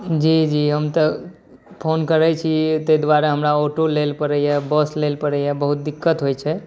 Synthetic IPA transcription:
d͡ʒid͡ʒiɦəmt̪ə | pʰonkəɾət͡ʃʰit̪əjd̪waɾəɦəmɾaoʈolelpəɾəɛbəslelpəɾɛjɛbəɦut̪̚d̪ikːət̪ɦojt͡ʃʰɛ

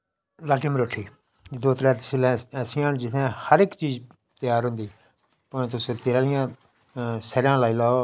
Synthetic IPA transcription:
laːʈimɾoːʈʰːiː | d̪oːt̪ɾɛːt̪sɪlɛ̃ːɛsɪjãːnd͡ʒɪt̪ʰẽːhəɾɪkt͡ʃiːz | t̪ɪjaːɾɦʊ̃nd̪iː | pʊẽːt̪ʊst̪ɪɾaːlɪjãː | səɾjãːlaːiːlaːo

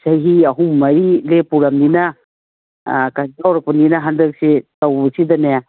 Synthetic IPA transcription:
sɐjɦiɐɦuŋmɐɾilepuɾamninɐ | kazawɾɐk̚pɐninɐɦandɐk̚setɐwbɐsidɐneja

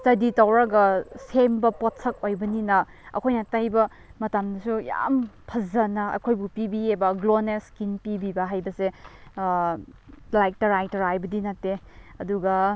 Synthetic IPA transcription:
stɐditawɾaɡɐsembɐpɔtsʰɐk̚ojbɐninɐ | ɐ̰kʰojnatajbɐ | mɐtamdɐsuja̰mpʰɐzɐnɐɐ̰kʰojbupibiebɐɡloneskinpibibɐɦajbɐse | lajk̚tɐɾajtɐɾajbɐdinɐtːe | ɐduɡɐ

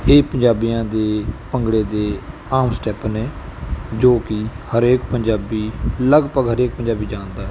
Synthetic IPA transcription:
eːpəɲd͡ʒaːbijãːd̪eːpəŋɡɽeːd̪eː | aːmsʈɛːpnɛːd͡ʒoːkɪhəɾeːkpəɲd͡ʒaːbiːləɡpəɡɦəɾeːk̚pəɲd͡ʒaːbiːd͡ʒãːnd̪aːɛː

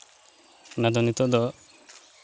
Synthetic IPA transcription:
nad̪ɔnit̪ɔʔd̪ɔ

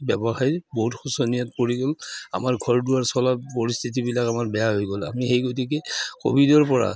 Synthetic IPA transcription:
bɛbɔxajboɦutxusɔnijat̚poɹiɡɔla̰maɹɡʱɔɹduwaɹsɔlapoɹist̪ʰit̬ibilakamaɹbɛjaɦojɡɔla̰mixejɡotʰikɛko̰bʱidɔɹpɔɹa̰

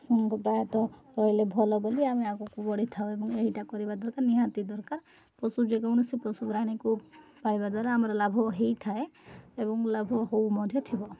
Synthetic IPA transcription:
sɔŋɔŋkɔpɾajɔt̪ɔ | ɾɔjlebʱɔlɔboliameakɔkubɔɽit̪ʰaw̃ebɔŋeɦiʈakɔɾibad̪ɔɾkaɾniɦãt̪id̪ɔɾkaɾ | pɔsud͡ʒeɡawɽ̃usipɔsuɡɾaɽ̃ikupaɭibad̪waɾeamɔɾɔlabʱɔɦejt̪ʰaeebɔŋlabʱɔɦowmɔd̪ʱjɔt̪ʰibɔ

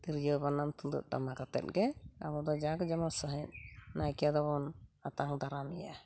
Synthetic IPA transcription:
t̪iɾd͡ʒəbanamt̪ud̪ṵʔ̚ʈa̰makat̪ɛ̰t̪̚ɡɛa̰bɔd̪ɔd͡ʒaɡɔd͡ʒamasəɦɛn̚najkijad̪ɔβɔnat̪aŋd̪aɾamija̰

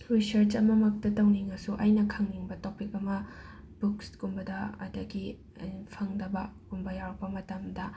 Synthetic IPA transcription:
ɾisɐɾt͡ʃɐmɐmɐk̚tɐtɐwniŋɐsuʔɐjnɐkʰɐŋniŋbɐtopikɐmɐ | b̥ukskumbɐdɐɐ̰dɐɡi | pʰɐŋdɐbɐkumbɐjawɾɐk̚pɐmɐtɐmdɐ

